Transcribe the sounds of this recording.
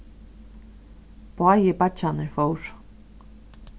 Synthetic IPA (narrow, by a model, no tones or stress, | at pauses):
pʰɔajɪpat͡ʃanɪɾfoːwɾ̥